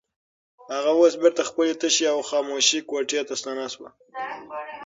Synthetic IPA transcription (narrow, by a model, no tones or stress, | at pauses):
haɣawosbɪɾt̪axpəlet̪əʃeawxɑmoʃikwaʈjet̪ast̪ɑnaswa̰